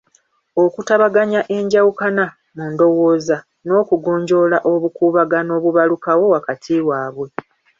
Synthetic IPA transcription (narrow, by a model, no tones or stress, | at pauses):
o̞kutaβaɡaɲaʔe̞ɲɟawukana | mundo̞wo̞ːza | no̞ːkuɡo̞ːɲɟo̞laʔo̞βukuːβaɡano̞ːβuβalukawo̞wakatʰiwaːβwe̞